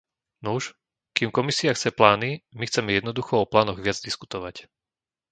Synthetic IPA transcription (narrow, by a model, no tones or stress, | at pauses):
nuʃ | kiːmkɔmisiaxt͡sɛplaːnimixt͡sɛmɛjɛd̪nɔd̪uxɔɔplaːnɔɣʋɪad͡zd̪isku̥t̪ɔʋac